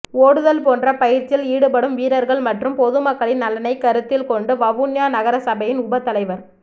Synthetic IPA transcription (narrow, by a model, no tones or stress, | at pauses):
oːɽɯðɐlpoːndrɐpɐjɪɾt͡ʃɪliːɽɯpɐɽɯmʋiːɾɐɾɣɐɭmɐʈrɯmpɔðɯmɐkːɐɭɪnːɐlːɐnɐɪkːɐɾɯt̪ːɪlkɔɳɖɯʋɐʋunjaːnɐɣɐɾɐsɐbɐjɪnʊbɐt̪ːɐlɐɪʋɐɾ